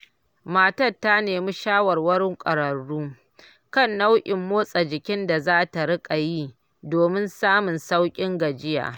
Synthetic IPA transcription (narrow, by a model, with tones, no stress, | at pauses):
maː˨tɐ˦˨tːa˦neː˨mi˦ʃaː˦wɐ˨rwɐ˦ɽɪ˦ŋkʷʼɐ̰˨ɽɐ˨ɽːuː˦ | kɐ˦˨nːa˦wʔʲʼɪ˨mːoː˦sʼa˨d͡ʒɪ˨kʲɪ˦nda˨zaː˦ta˨ɽɪ˦kʼa˨ji˦ | doː˨mɪ˦nsaː˦mʊ˨nsa˦wkʲʼɪ˦ŋɡɐ˨d͡ʒɪ˦ja̰ː˨